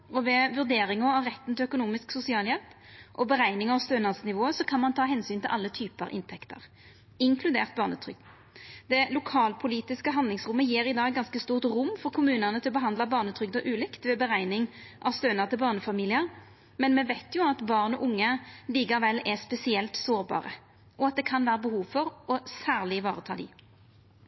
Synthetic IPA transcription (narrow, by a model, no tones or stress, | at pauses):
ɔʋɛʋʉʁd̪eːɾɪŋɑɑʋʁɛt̪ːn̩t̪ʰɪlœkʊnuːmɪsksʊsɪɑːljɛlp | ʔɔbəʁæɪnɪŋɑʋst̪øːnɑʁsnɪʋoːəsɔkʰɑnmɑnt̪ʰɑːɦɛnsyːnt̪ʰɪlʔɑ̰lːət̪ʰyːpəɾʔɪ̰nt̪ʰɛkt̪ə̰ʁ | ɪŋkʰlʉd̪eːʁt̪̚bɑːʁnə̰t̪ʰʁʏ̰ɡ | d̪̥ɛlʊkʰɑːlpʰʊliːt̪ɪskəɦɑnd̪lɪŋsʁʊmːəjiːɾɪd̪ɑːɡɡːɑnskəst̪uːʁt̪ʁʊmːfɔʁkʰʊmʉːnəʁnət̪ʰɪlɔbəɦɑnd̪lɑbɑːʁnət̪ʰʁʏɡd̪ɔʔʉːlɪkt̪ʋɛbəʁæɪnɪŋ | ʔɑʋst̪øːnəʁt̪ʰɪlbɑːʁnəfɑmiːlɪəʁ | mɛnmɛʋæɪt̪jʊɑt̪bɑːʁnɔʔʊŋːəliːkɑʋɛlːɛspɛsɪɛlt̪soːʁbɑ̰ːʁə | ʔɔɑt̪̚d̪ɛkʰɑnʋæːʁəbəhuːʋfɔʁɔsæːʁlɪʋɑːʁət̪ʰɑ̰ːd̪ɪ̰